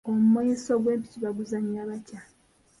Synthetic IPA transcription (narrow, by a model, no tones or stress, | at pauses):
omumojisoɡwe̞ːmpi̥ciβaɡuzaɲaːβaca